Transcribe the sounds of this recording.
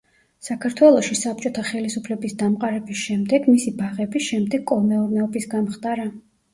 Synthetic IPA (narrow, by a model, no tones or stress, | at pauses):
sakʰaɾt̪ʰwɛlˠɔʃisap̚t͡ʃʼɔt̪ʰaχɛlisupʰlɛbisd̪amqʼaɾɛbisʃɛmd̪ɛɡmisibaʁɛbisʃɛmd̪ɛɡkʼɔmɛuɾnɛɔbisɡamχt̪ʼaɾa